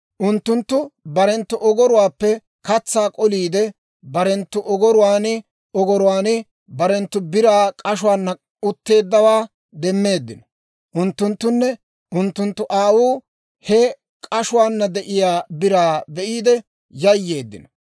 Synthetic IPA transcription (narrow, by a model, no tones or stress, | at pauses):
ʔʊnt̪ːʊnt̪ːʊbɐɾɛnt̪ːʊʔɔɡɔɾʊwaːpːɛ | kɐt͡sːaːkʼɔliːd̪ɛ | bɐɾɛnt̪ːʊʔɔɡɔɾʊwaːnɪ | ɔɡɔɾʊwaːnɪ | bɐɾɛnt̪ːʊbɪɾaːkʼɐʃʊwaːnːɐ | ʊt̪ːe̞ːd̪ːɐwaː | d̪ɛmːe̞ːd̪ːɪnɔ̥ | ʔʊnt̪ːʊnt̪ːʊnːɛ | ʔʊnt̪ːʊnt̪ːʊʔaːwuː | hɛ | kʼɐʃʊwaːnːɐd̪ɛʔɪjaːbɪɾaːbɛʔiːd̪ɛ | jɐjːe̞ːd̪ːɪnɔ